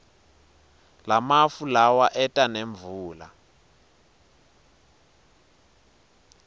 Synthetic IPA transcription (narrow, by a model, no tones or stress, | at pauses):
lamafulawaʔɛtʼaneɱbvuːla̰